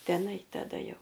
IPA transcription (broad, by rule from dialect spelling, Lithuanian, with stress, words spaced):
ˈtʲæːnɐɪ tɐˈdɐ ˈjɛʊ